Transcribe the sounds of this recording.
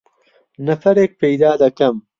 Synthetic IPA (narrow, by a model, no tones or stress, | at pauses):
nɐfɐɾeːk̚pejd̪aːd̪ɐkɐm